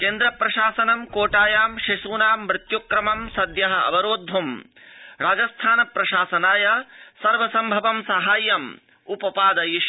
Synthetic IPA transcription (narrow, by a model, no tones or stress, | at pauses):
keːnd̪ɾɐpɾɐʃaːsɐnɐmkoːʈaːjaːmʃiʃuːnaːmːɾɪt̪jukɾɐmɐmsɐd̪jɐɦɐɐ̰ʋɐɾoːd̪ʱːum | ɾaːd͡ʒɐst̪ʰaːnɐpɾɐʃaːsɐnaːjɐsɐɾʋɐsɐmbʱɐʋɐmsɐɦaːjɐm | upɐpaːd̪ɐjiʃ